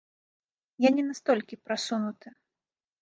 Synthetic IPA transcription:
janʲɛnast̪ɔlʲkʲipɾasunut̪ɨ

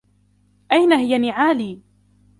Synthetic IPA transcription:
ʔajnaɦɪjanɪʕaːliː

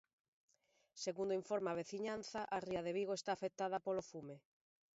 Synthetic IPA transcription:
seɣund̪oiɱfoɾmaβ̞eθiɲan̟θaʔariaðeβiɣoest̪aːfek̚t̪aðapolofume

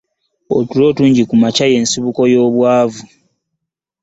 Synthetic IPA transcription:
o̰tulo̞ːtuːɲɟikumacaje̞ːnsiβuko̞jo̞ːβwaːvu

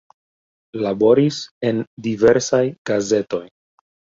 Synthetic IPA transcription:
labo̞ɾise̞ndive̞ɾsajɡ̥aze̞to̞j

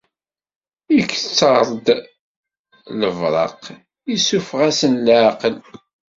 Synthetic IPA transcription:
ikːt͡sːɑɾˤd̪ | ləvɾˤɑ̰q | isufʁæsənlʕqəl

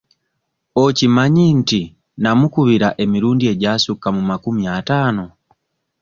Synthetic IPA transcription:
ɔcimaɲin̩ti | namukuβiɾaʔɛmiɾundiɛɟasukamumakumiatanɔ

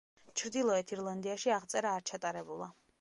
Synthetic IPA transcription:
t͡ʃʰɾd̪ilˠɔɛt̪ʰiɾlˠand̪iaʃiaʁt̪sʼɛɾaːɾt͡ʃʰat̪ʼaɾɛbulˠa̰

